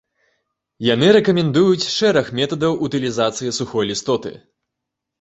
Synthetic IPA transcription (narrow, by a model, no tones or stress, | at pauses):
janɨɾɛkɐmʲɛnd̪ujut͡sʲʂɛɾɐxmʲɛt̪ɐd̪ɐwʔut̪ɨlʲizat̪sɨjisuxɔjlʲist̪ɔt̪ɨ̰